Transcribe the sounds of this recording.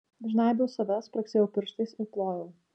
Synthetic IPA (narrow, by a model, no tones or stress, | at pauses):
d̪ɐʒʲnɑˑɪbʲɛʊsɐʋʲɛspɾɐksʲeːjɛʊpʲɪɾʃt̪ɐɪsɪplˠoːjoː